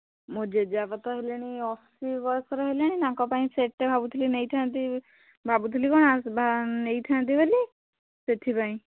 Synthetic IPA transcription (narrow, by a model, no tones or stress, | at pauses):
mod͡ʒed͡ʒabat̪ɔɦeleɽ̃iɔfʰsibɔɾsɔɾɔɦelaɽ̃ĩnãkɔpaĩseʈːebʱabut̪ʰilinejt̪ʰãnt̪i | bʱabut̪ʰilikɔɽ̃abʱanejt̪ʰãnt̪̬ibəli | set̪ʰipaĩ